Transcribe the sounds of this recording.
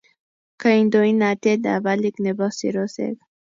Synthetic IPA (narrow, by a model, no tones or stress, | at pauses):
kaind̪oinat̪ed̪a̰valiknebɔsḭɾosḛɡ